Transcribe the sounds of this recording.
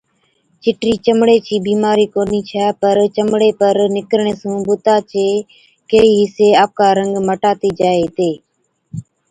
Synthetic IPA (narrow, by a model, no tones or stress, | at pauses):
t͡ʃɪʈɾiːt͡ʃəmɽeːt͡ʃiːbiːmaːɾiːkoːniːt͡ʃʰaːpəɾt͡ʃəmɽeːpəɾnɪkɾɳ̃eːsũːbʊt̪aːt͡ʃeː | keːiːɦɪseːaːp̚kaːɾəŋɡməʈaːt̪iːd͡ʒaːeːt̪eː